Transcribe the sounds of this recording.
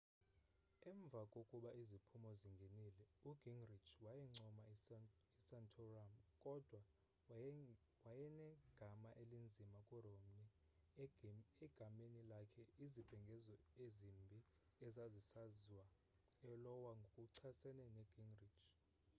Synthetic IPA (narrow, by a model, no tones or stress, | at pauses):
ɛɱvʱakʼokʼuɓaizipʰumɔziŋɡʱenilɛuɡ̥ʱiŋrit͡ʃʰwajɛŋ͡ǀɔmaisantʰɔramkʼɔd̥ʱwa | wajɛnɛɡ̥ʱamaʔelind͡zʱimakʼuromni | ɛɡ̥ʱamenilakʰɛizib̥ʱɛŋɡʱɛzɔezimbʱi | ɛzazisaziwa | ɛlɔwaŋɡʱokʼuǀʰasɛnɛnɛɡ̥ʱiŋɡrit͡ʃʰ